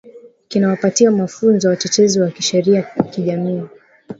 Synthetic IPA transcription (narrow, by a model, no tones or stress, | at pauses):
kinawapatiamafunzɔjawat͡ʃɛt͡ʃɛziwakiʃɛɾiakiʄamiː